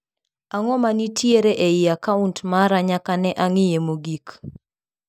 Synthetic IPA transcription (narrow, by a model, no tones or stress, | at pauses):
aŋɔmanitʰjeɾeʔeɪjakauntmaɾaɲakanɛʔaŋɪjemoɡik